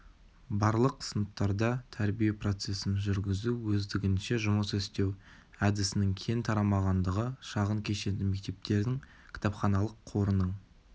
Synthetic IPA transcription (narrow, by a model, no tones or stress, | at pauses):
bɑɾlˠəqsənəp̚t̪ɑɾd̪ɑt̪ʰæɾbijepro̞t̪se̞sɪnʒʏɾɡʲɪzuwɵzd̪ɪɡʲɪnʃe̞ʒʊməsɵst̪ew | æd̪ɪsɪnɪŋkʲʰe̞nt̪ʰɑɾɑmɑʁɑnd̪əʁəʃɑʁəŋkʲʰe̞ʃe̞d̪ɪme̞k̚t̪e̞p̚t̪e̞ɾd̪ɪŋ | kʲʰɪ̥t̪ɑpχɑnɑlˠəqʰːo̞ɾənəɴ